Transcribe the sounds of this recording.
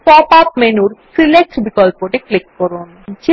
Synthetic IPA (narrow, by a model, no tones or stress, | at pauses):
pɔpap̚menuɾsilek̚ʈbikɔlpoʈeklikːɔɾun | d͡ʑi